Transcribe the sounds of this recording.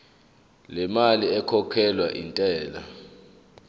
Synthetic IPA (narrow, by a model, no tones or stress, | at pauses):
lɛmaliɛkʰɔkʰɛlwaʔintʼɛːla̰